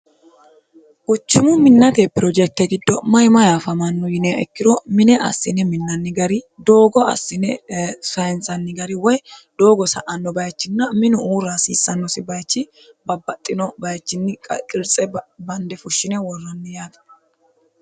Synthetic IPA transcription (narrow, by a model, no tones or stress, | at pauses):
ʔʊt͡ʃːɪmʊmɪnːɐt̪epːɪɾɔd͡ʒɛk̚t̪ːɛɡɪd̪ːɔmɐjmɐjaːfɐmɐnːʊjɪnɛʔɛ̰kːɪɾɔmɪnɛʔɐ̰sːɪnɛmɪnːɐnːɪɡɐɾɪd̪o̞ːɡɔɐ̰sːɪnɛsɐjnsɐnːɪɡɐɾɪwɔjd̪̥o̞ːɡɔsɐʔɐnːɔbɐjt͡ʃːɪnːɐmɪnʊuːɾaːsiːsːɐnːɔsɪbɐjt͡ʃːɪ | bɐbːɐt̪ʼːɪnɔbɐjt͡ʃːɪnːɪkʼkʼɪɾt͡sʼɛbɐnd̪ɛfʊʃːɪnɛwɔrːɐnːɪjaːt̪ɐ̥